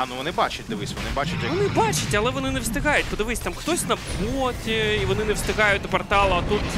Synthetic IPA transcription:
anuʋɔnɪbat͡ʃʊtʲd̪ɪʋɪsʲʋɔ̰nɪbat͡ʃʊtʲɔnɪbɑt͡ʃɐtʲɐlˠɛʋɔnɪnɛwst̪ɪkɑjʊtʲpɔd̪ɪʋɪsʲt̪amxt̪ɔsʲnɐpɔtʲiiʋɔnɪnɛwst̪ɪkɑjʊt̚ʲnɐpɔrt̪ɑlˠɐɐt̪ut̪

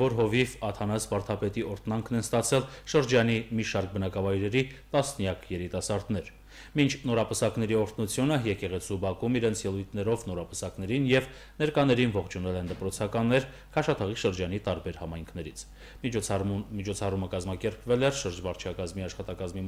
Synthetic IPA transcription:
vɔɾɦɔvifɑt̪ʰɑnɑsvɑɾt̪ʰɑpɛt̪iʔɔɾt̪ʰnɑŋkʰnɛnst̪ɑt͡sʰɛlʃəɾd͡ʒɑnimiʃɑɾk̚bənɑkɑvɑjɾɛɾit̪ɑsnjɑkʰjɛɾit̪ɑsɑɾd̪nɛɾ | mint͡ʃʰnɔɾɑpəsɑknɛɾiɔɾt̪ʰnut͡sʰjunəjɛkɛʁɛt͡sʰubɑkumiɾɛnt͡sʰjɛlujt̪ʰnɛɾɔvnɔɾɑpəsɑkn̪ɛɾinjɛv | nɛɾkɑnɛɾinvɔχt͡ʃʰunɛlɛnd̪əpɾɔt͡sʰɑkɑnːɛɾ | kʰɑʃɑt̪ʰɑʁiʃəɾd͡ʒɑnit̪ɑɾbɛɾhɑmɑjŋkʰnɛɾit͡sʰ | mit͡ʃʰɔt͡sʰɑruməkɑzmɑkɛɾpvɛlɛɾʃəɾd͡ʒvɑɾt͡ʃʰɑkɑzmiɑʃχɑt̪ɑkɑzmi

